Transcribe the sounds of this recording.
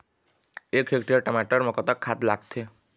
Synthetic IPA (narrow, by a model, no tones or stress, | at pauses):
ekɦekʈijəʈəmaʈəɾmɔkət̪əkʰːat̪la̰ɡ̚t̪ʰe